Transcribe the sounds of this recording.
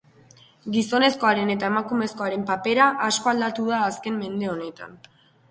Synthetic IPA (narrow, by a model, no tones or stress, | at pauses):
ɡiso̞ne̞sko̞aɾe̞ne̞t̪̬ae̞makume̞sko̞aɾe̞mpape̞ɾaʔasko̞ald̪at̪uðaːske̞mme̞nd̪e̞o̞ne̞t̪a̰n